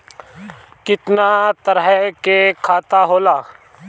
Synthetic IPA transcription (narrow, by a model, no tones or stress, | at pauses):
kɪt̪nat̪əɾɦkekʰaːt̪aɦoːlaː